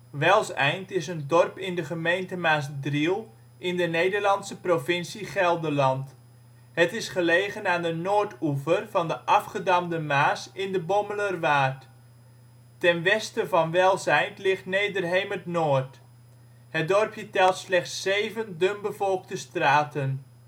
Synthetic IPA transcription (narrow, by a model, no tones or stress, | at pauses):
ʋɛlˠsɛ̰jntɪsəndɔrpɪndəχəmejntəmaːs̬drilˠ | ʔɪndənejdərlɑnsəprovɪnsiχɛlˠdəlɑnt | hətɪsχəleːχənaːndənoːrtuvərvɑndəʔɑfχədɑmdəmaːsɪndəbɔmələrʋaːt | tɛnʋɛstəvɑnʋɛlˠzɛjntlɪχtnejdərɦejmətnoːrt | hət̚dɔrpjətɛlˠtslɛχtsːejvəndømbəvɔlˠk̚təstraːtən